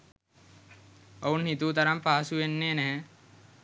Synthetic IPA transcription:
ounhit̪uːt̪ɐɾampaːsuʋenːeːnɛɦɛ

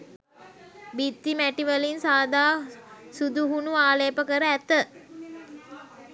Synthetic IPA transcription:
bit̪ːimæʈiʋəlinsaːd̪aːsud̪uɦunuaːleːpəkəɾəæt̪ə

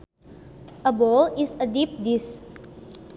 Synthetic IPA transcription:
ʔəbolisədip̚dis

